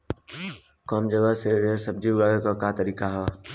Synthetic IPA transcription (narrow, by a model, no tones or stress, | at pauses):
kɔːmd͡ʒəɡəɦseesəb̚d͡ʒiɡaːɾkakat̪əɾiːkaɦɛ